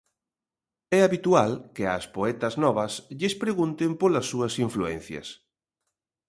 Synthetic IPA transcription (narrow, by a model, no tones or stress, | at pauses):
ɛaβit̪ualkeɐ̰spoɛt̪ɐznɔβɐsʎɪspɾeɣunt̪empolɐsːuɐsiɱfluɛ̰n̟θjɐ̰s